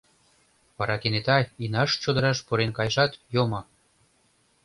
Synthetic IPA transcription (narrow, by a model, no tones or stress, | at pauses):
pɑɾɑkenet̪ɑjinɑʃt͡ɕod̪ɤ̆ɾɑʃpuɾenkɑjʒɑt̪jomŏ